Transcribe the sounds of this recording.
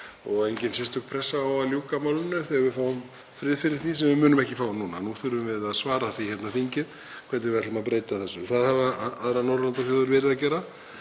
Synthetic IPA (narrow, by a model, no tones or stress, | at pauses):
ɔɣejɲcɪnsɪst̪ʰʏkpʰɾɛsːaawaljuːkamawlʏnːʏɾθehavɪfaːwʏm | fɾɪðfɪɾɪɾ̥θisɛmvɪmʏːnʏmɛhcɪfaːwnunanuːθʏɾʏmvɪðaðsvaːɾaθiçhɛt̪nafiɲcɪð | kʰvɛɾt̪nɪvɛɾt̪lɪmapɾeːjt̪aθɛsːʏθaðhavaaðɾanɔɾlant̪aθjoːðʏɾvɛːɾɪðacɛːɾa